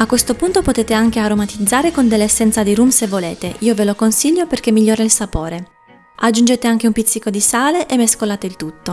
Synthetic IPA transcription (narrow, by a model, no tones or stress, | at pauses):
akːwest̪opunt̪opot̪eːt̪eaŋk̟eaɾomat̪id̪zːaːɾekond̪elːeːsːɛnt̪sad̪iɾumsevːoleːt̪eʔiːovelokonsiʎːoperk̟emːiʎːoːɾailsapoːɾe | ad͡ʒːund͡ʒeːt̪eaŋk̟eumpit̪sikːod̪isaːleʔemːeskolaːt̪eilt̪ut̪ːo